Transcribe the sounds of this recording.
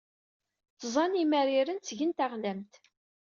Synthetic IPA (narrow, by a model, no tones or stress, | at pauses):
θzˤɑnimæɾiɾənt͡sːʝənt̪aʁlæmt̪